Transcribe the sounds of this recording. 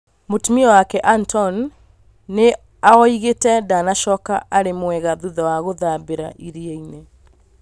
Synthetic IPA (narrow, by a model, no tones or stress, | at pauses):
motumiɔwakɛʔantɔnː | e | aɔiɣetɛdanaʃɔkaʔaɾemwɛɣaðuðawaɣoðabeɾa̰ʔiɾieinɛ